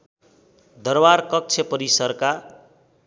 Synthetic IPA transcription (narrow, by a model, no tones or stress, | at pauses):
d̪ʌrbarkʌk̚t͡sʰepʌɾisʌrka